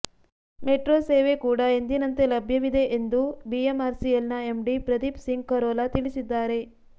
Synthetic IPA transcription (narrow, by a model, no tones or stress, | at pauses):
meʈɾoːseːʋe̞kuːɽɐend̪inɐnt̪e̞lɐbʱjɐʋid̪e̞ʔend̪ubiemaːɾsielnɐemɖipɾɐd̪ipsiŋɡkɐɾɔːlat̪iɭisid̪ːaːɾe̞